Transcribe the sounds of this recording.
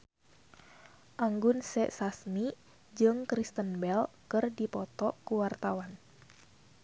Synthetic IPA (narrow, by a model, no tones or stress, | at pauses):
ʔaŋɡʊnsɛ̰ʔsasmi | d͡ʒɨŋkɾist̪ənbɛlkɨrdipɔt̪ɔkuwart̪awan